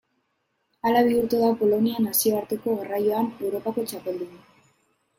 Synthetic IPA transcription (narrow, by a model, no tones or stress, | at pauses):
alaβ̞iuɾt̪e̞ðapo̞lo̞nianasio̞aɾt̪e̞ko̞ɣarajo̞ane̞wɾo̞pako̞t͡ʃape̞ld̪un